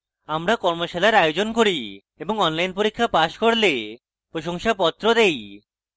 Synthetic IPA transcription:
amɾakɔɾmoʃelaɾajod͡ʑonkoɾi | eboŋɔnlajnpoɾikʰːapaʃkoɾle | pɾoʃoŋʃapɔt̪ːɾod̪ej

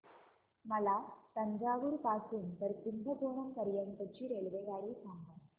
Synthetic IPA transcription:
mɐlat̪ɐɲd͡ʑaːʋuɾpaːsuːnt̪əɾt̪ind̪ʱɐɡoːɳɐmkɐɾjɐnt̪ət͡ɕiːɾeːɭʋeɡaːɭiːsaŋɡa

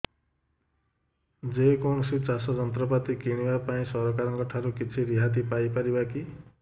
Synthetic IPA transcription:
d͡zekonsit͡sasʌd͡zʌnt̪rʌpat̪ikiɽ̃iwapaĩsʌɾʌkaɾʌŋɡʌʈʰːaɾukit͡sʰiɾiɦat̪̬ipajpaɾibaki

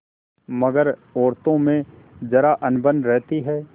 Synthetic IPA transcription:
mɐɡəɾɔːɾt̪õmẽ | d͡ʒɐɾaʔɐnbənɾɛɦt̪iɦɛː

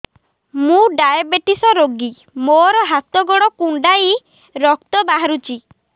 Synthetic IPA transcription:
mũɖajabeʈisɔɾoɡi | moɾɔɦat̪ɔɡɔɽɔkuɳɖaj | ɾɔk̚t̪ɔbaɦaɾut͡ʃi

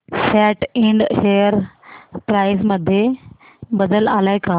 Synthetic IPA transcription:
sɛːʈɪ̃ɳɖʃeːjəɾpɾaːɪzmɐd̪ʱje | bɐd̪əlaːlaːɪkʰaː

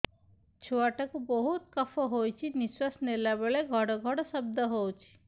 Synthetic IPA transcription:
t͡ʃʰuaʈakubɔɦut̪kɔfʰɔɦojt͡ʃʰiniswasnelabeɭeɡʱɔɽɔɡʱɔɽɔsɔb̚d̪ɔɦowt͡ʃʰi̥

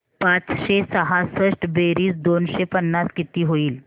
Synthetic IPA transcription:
pat͡sɕesəɦasəʂʈbeɾiːsd̪onɕepənːaskit̪iːɦoiːl

